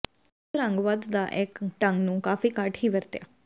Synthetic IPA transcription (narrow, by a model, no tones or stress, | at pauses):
ɾəŋɡʋad̪d̪aːʔɪkʈəŋɡnũːkaːfiːkəʈɦiːʋəɾt̪ja̰ː